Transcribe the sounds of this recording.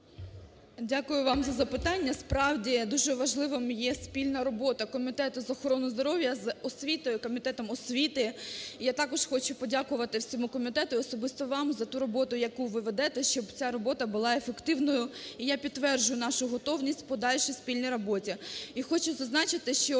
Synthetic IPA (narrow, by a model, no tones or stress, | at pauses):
dʲakʊjʊʋɑmzɐzɐpɪt̪ɑnʲːɐspɾɑwdʲid̪uʒɛʋɐʒlˠɪʋɔmjɛspʲilʲnɐɾɔbɔt̪ɐkɔmʲit̪ɛt̪ʊzɔxɔɾɔnʊzd̪ɔɾɔʋʲjɐzɔsʲʋʲit̪ɔjʊkɔmʲit̪ɛt̪ɔmɔsʲʋʲit̪ɪjat̪ɑkɔʃxɔt͡ʃʊpɔdʲakʊʋɐt̪ɪwsʲɔmukɔmʲit̪ɛt̪ʊiɔsɔbɪst̪ɔʋɑmzɐt̪uɾɔbɔt̪ʊjɐkuʋɪʋed̪ɛt̪ɛʃt͡ʃɔbt͡sʲaɾɔbɔt̪ɐbʊlˠɑefekt̪ɪwnɔjʊijapʲid̪ːʋɛrd͡ʒʊjʊnɑʃʊɦɔt̪ɔwnʲisʲtʲpɔd̪ɑlʲʃisʲpʲilʲnʲijɾɔbɔtʲiixɔt͡ʃʊzɐznɑt͡ʃɪt̪ɪʃt͡ʃɔ